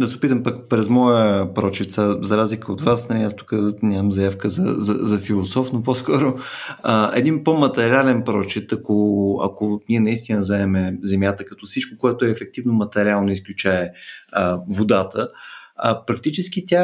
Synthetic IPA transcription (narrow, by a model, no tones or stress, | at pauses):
d̪ɐsɛʊpit̪əmpəkpɾɛzmɔjəpɾɔt͡ʃit̪sazɐɾazlikəot̪vasnɐmʲast̪ʊ̥kɐd̪nʲamɐmzɐjafkəzɐ̰zɐzɐfilˠosɔfnopɔskɔɾoəɛ̰d̪inpomɐt̪ɛɾialɛnpɾɔt͡ʃit̪ɐkoɐ̰koniɛnɐist̪inəzɛɛmɛzɛmʲjat̪əkɐt̪ɔfsit͡ʃkokoɛt̪ʊɛːfɛk̚t̪ivnomɐt̪ɛɾialˠnoisklʲut͡ʃaɛəvod̪at̪əəpɾɐk̚t̪it͡ʃɛsk̟it̪ʲa